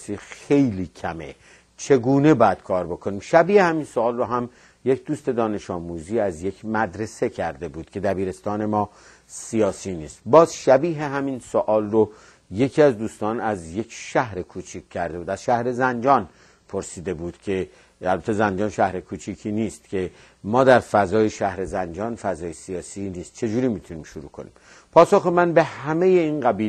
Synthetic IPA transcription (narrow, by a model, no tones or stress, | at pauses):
siːxejliːcʰæmḛ | t͡ʃʰe̞ɡuːne̞bɒːjæd̪̥̚kʰɒːɾbo̞kʰo̞niːmʃæbiːhehæmiːnsoɒːlroɦæm | je̞kd̪uːst̪e̞d̪ɒːne̞ʃɒːmuːziːæzje̞kʰmæd̪ɾe̞se̞cʰæɾd̪e̞buːd̪̥kʰe̞d̪æbiːɾe̞st̪ɒːne̞mɒː | sijɒːsiːniːst̪̚bɒːzʃæbiːɦeɦæminsoʔɒːlro | je̞kʰiːæzd̪uːst̪ɒːnæzje̞kʰʃæhɾe̞kʰuːt͡ʃʰikʰʲːæɾd̪e̞buːd̪æz̥ʃæhɾe̞zænd͡ʒɒːn | pʰo̞ɾsiːd̪e̞buːd̪̥cʲʰe̞ | ælbæt̪ʰe̞zænd͡ʒɒːnʃæhɾe̞kʰuːt͡ʃʰiːkʰiːniːst̪cʰe̞ | mɒːd̪æɾfæzɒːjeʃæhɾe̞zænd͡ʒɒːnfæzɒːjesijɒːsiniːst̪̚t͡ʃʰe̞d͡ʒuːɾiːmiːt̪ʰuniːmʃoɾṵːkʰonḭːm | pʰɒːsoxemænbe̞hæmeje̞iːnɢæbiːl